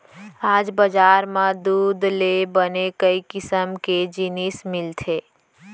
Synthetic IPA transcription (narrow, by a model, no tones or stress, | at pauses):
aːd͡ʒbəd͡ʒaːɾmãd̪uːd̪lebənekəikɪsəmked͡ʒɪnismɪlt̪ʰeː